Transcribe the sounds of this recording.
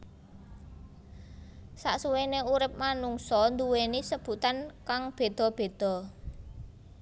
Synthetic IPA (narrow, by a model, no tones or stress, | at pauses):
sa̰ʔsuweneuɾɪp̚manuŋsɔnd̪uwenisəb̥ṳt̪ankaŋb̥e̤d̪̥ɔ̤b̥e̤d̪̥ɔ̤